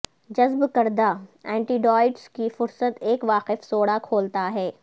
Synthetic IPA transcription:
d͡ʒɐzbkɐɾd̪aɛ̃ːɳʈiːɖɔːɪɖskifʊɾsət̪eːkʋaːqɪfsoːɽakʰoːlt̪aɦɛː

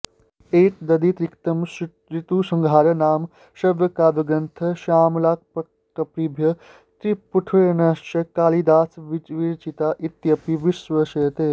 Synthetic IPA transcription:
eːʈ̚d̪ɐd̪it̪ɾikt̪ɐm | ɾit̪uːsɐŋɡʱaːɾɐnaːm | ʃɐbjɐkaːd̪uɡɐnt̪ʰɐʃaːmlaːk̚pɐ | kɐpɾibʱjɐ | t̪ɾipuʈʰujɐnaːt͡ʃɐkaːlid̪aːsʋid͡ʒʋiːɾt͡ʃit̪aʔit̪jɐpiʋiʃʋəʃeːt̪eː

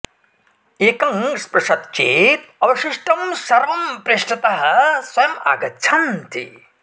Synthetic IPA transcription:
eːkɐŋspɾɐʂɐt̪t͡ʃeːt̪̚ɐʋɐʃiʂʈɐmsɐɾʋɐmpɾeʂʈɐt̪ɐɦɐ̆swɐjɐma̰ːɡɐtːt͡ʃʰɐmt̪ʰḭ

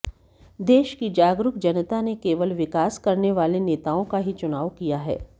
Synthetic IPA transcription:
d̪eːʃkid͡ʒaːɡɾʊkd͡ʒɐnət̪anekeːʋəlʋɪkaːskɐɾneʋaːleneːt̪aːõkaɦit͡ʃʊnaːʋkijaɦɛ̰ː

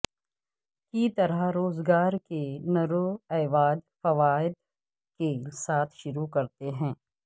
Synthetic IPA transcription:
kit̪ɐɾəɦɾoːzɡaːɾkenɐɾoɛːʋaːd̪fɐʋaːɪd̪̚ | kesaːt̪ʰʃʊɾukɐɾt̪eɦɛ̃ː

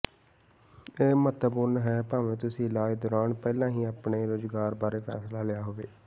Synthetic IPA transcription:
eːmət̪əbʊɾnɦɛːpaːʋẽːt̪ʊsĩːlaːid̪ʊɾaːnpɛːlãːɦĩːaːpɳeːɾoːzɡaːɾbaːɾeːpʰɛ̰ːslaːlɪjaːɦoːʋeː

